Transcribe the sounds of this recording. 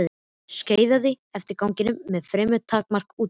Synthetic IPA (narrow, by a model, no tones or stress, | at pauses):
ðɪ | sceːjðaðɪ | ɛft̪ɪɾkaːwŋcɪnʏmːɛðfɾɛːmʏt̪ʰːaːkmar̥kuːt̪